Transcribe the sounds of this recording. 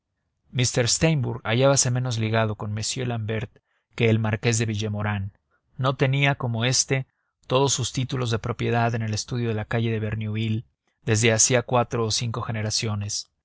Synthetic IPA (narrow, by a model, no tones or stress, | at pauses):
mist̪e̞ɾst̪ejmbuɾɣaʝaβase̞me̞no̞zliɣað̞o̞ko̞nmesje̞lambe̞ɾt̪ | ke̞ːlmaɾke̞zðe̞βiʝemo̞ɾanː | o̞t̪e̞niako̞mo̞e̞st̪e̞ | t̪o̞ð̞osːust̪it̪ulo̞zðe̞pɾo̞pje̞ðaðe̞ne̞le̞st̪uð̞jo̞ð̞e̞lakaʝe̞ðe̞βe̞ɾnjuil | d̪e̞zðe̞asiakwat̪ɾo̞ːsiŋko̞xe̞ne̞ɾasjo̞ne̞s